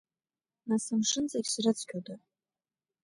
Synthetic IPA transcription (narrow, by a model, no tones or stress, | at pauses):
nasɨmʂɨnt͡saɡʲsrɨt͡sʰkʲʰoda